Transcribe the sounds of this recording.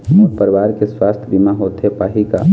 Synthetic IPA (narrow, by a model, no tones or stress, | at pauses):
ɔpəɾɪʋaːɾkeswaːst̪ʰəbimaɦoːt̪epaːɦika̰